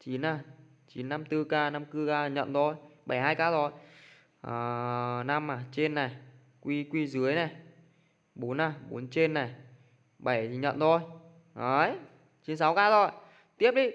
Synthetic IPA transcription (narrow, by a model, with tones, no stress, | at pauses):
t͡ɕi˨˦nʔaː˨˩ | t͡ɕḭ˨˦nːa˧mt̪ɨ˧kaː˧na˧mkɨ˧kaː˧ɲə̰˧˨nt̪ʰo˧˩jɓa˧˩jɦaː˧jkaː˧zo˨˩j | ʔəː˨˩na˧mʔaː˨˩t͡ɕe˧nːa˨˩j | kwi˧kwi˧zɨ˨˦əjna˨˩j | ɓo˨˦nʔaː˧˨˩ɓo˨˦nt͡ɕe˧nːa˨˩j | ɓa˧˩jt̪ʰi˨˩ɲə̰˧˨nt̪ʰo˧˩j | ʔə˨˦j | t͡ɕi˨˦nsa˨˦wkaː˧zo˨˩j | t̪i˦˥əp̚ɗi˨˧˦